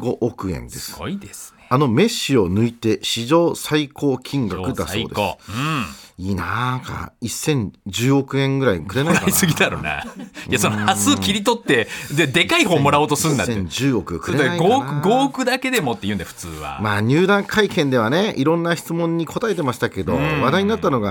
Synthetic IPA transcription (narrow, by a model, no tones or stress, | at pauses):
ɡo̞ʔːkɯ̟ẽ̞̰nd̪e̞sɨ̥id̪es | ano̞me̞ɕːio̞nɯ̟it̪e̞ɕiʑo̞ːsaiko̞ːkʲʰĩŋɡakkɯ̟d̪a̰so̞̰ːd̪es | iːnaka̰isːẽ̞ɲd͡ʑɨːo̞kɯ̟ẽ̞ŋɡɯ̟ɾaikɯ̟ɾe̞naiakaisɨɡʲid̪aɾo̰na̰jasonohasɨokʲiɾʲit̪o̞t̪ːe̞d̪ed̪e̞kaihoːmoɾaoːt̪osɨɾɯ̃nd̪asẽɲd͡ʑɨːo̞kɯkɯ̟ɾaiɡoɯɡoːkɯ̟d̪ake̞d̪e̞mo̞t̪ːejɯ̟̃nd̪aɸɯ̟̥t͡sɨːβa̰maːɲ̟ɨːd̪ãŋkʰaikẽ̞nd̪e̞βane̞iɾõ̞nːaçi̥t͡sɨmõ̞ɲ̟ːiko̞t̪ae̞t̪e̞maɕi̥t̪ake̞d̪o̞̰βad̪aiɲ̟inat̪ːano̞ɡa